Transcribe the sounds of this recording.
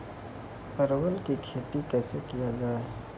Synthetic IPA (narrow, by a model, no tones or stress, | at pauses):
pəɾwəlkikʰeːt̪ikɛːsekijad͡ʒaaɦ